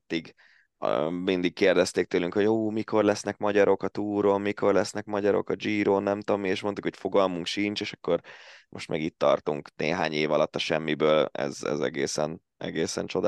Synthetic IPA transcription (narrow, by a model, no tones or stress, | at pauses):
t̪ːiɡ | mind̪ikkeːrd̪ɛst̪eːk̚t̪øːlyŋkho̞ɟuːmikʰo̞rlɛsnɛkmɒɟɒɾo̞kɒt̪uːɾo̞mmiko̞rlɛsnɛkmɒɟɒɾo̞̰kɒd͡ʒiːɾoːnːɛmt̪oːmːieːʃmo̞nt̪ukhocfo̞ɡɒlmuŋkʃint͡ʃeːʃɒ̥kːo̞rmo̞̰ʃt̪mɛ̰ɡit̪ːɒrt̪uŋknḛːɦaːɲeːvɒlɒt̪ːɒʃɛmːibøːlɛ̰zɛ̰zɛ̰ɡeːsɛ̰n | ɛ̰ɡeːsɛnt͡ʃo̞d̪a